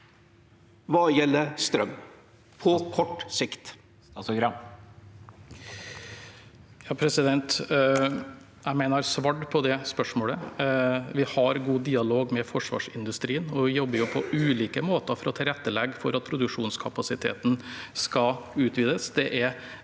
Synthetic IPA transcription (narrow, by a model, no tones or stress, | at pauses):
ʋɑːjɛlːəst̪ɾœmː | pʰɔkʰɔʈːsɪkt̪ | sɔɡɾɑ | jɑːpʰɾɛsɪd̪ɛnt̪ | jæɪmeɪnəɾsʋɑɖpʰɔd̪ɛspœʂmoːlə | ʋɪhɑɾɡuːd̪iːɑloːɡmɛfɔʂʋɑ̰ːʂɪnd̪ʉst̪ɾiːənɔʋɪjɔbːəɾjʊpʰɔʔʉːliːkəmoːt̪əfɔɾɔt̪ʰɪlɾɛt̪ːəlɛɡːfɔɾɑt̪̚pʰɾʊd̪ʉkʂuːnskʰɑpɑsɪt̪ʰḛːt̪nskɑʉːt̪ʋiːd̪əsd̪ɛʔɛɾ